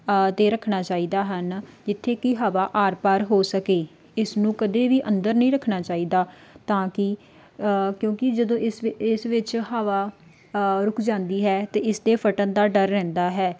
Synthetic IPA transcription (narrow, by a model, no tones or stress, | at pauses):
t̪eːɾəkʰnaːt͡ʃaːiːd̪aːɦənd͡ʒɪt̪ʰːeːkɪɦaːʋaːʔaːɾpaːɾɦoːsəkeː | ɪsnũːkəd̪eːʋiːʔə̃nd̪əɾnəĩːɾəkʰnaːt͡ʃaːiːd̪aːt̪ãːkɪ | kjõːkɪd͡ʒəd̪õːɪsɪsʋɪt͡ʃɦaːʋaː | ɾʊkʰd͡ʒãːnd̪iːɦɛːt̪eːɪsd̪eːpʰəʈənd̪aːɖəɾːɛ̃ːnd̪aːɦɛː